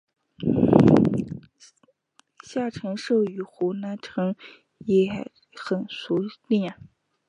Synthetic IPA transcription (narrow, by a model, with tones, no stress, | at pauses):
ɕja˥˩ʈ͡ʂʰɤ˧˥ŋʂo˥˩ʊy˨˩xu˧˥na˧˥nʈ͡ʂʰɤ˧˥ŋ | jɛ˨˩ | xə˨˩nsu˧˥li˥˩